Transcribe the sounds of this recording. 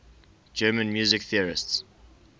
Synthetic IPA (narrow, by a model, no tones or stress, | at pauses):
d͡ʒɜːmə̃nmjuːzɪkθiəɹɪsts